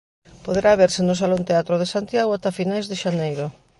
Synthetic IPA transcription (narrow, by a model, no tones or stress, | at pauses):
poðeɾaβ̞eɾsenʊs̬alõnt̪eat̪ɾoð̞esant̪jaɣoat̪afinajzðeʃanejɾo